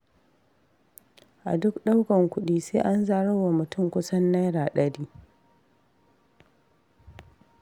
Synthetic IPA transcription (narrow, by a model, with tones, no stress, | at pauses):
ʔa̰˨dʊ˦kɗa˦wkɐ˨ŋkʷʊ˦ɗiː˦seː˦ʔa˦nzaː˨ɽɐ˦˨wa˨mʊ˨tʊ˦˨mkʷʊ˦sɐ˦nːa˦jɽaː˨ɗɐ˦ɽiː˦